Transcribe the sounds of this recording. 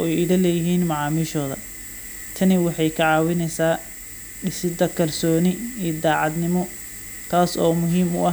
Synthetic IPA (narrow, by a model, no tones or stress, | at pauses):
ɔɛjɪɽɐlɛːjɪɦiːnmɑʕɑːmiːʃɔːðɐ̰ | t̪ʰɐnɪwɑħɑjkʰɐʕɑːwɪnɛjsaː | ɪsɪd̪ɐkʰɐrsɔːnɪiːd̪aːʕɑd̪nɪmɔ | t̪ʰaːsɔːmʊɦiːmʊ̰ɐ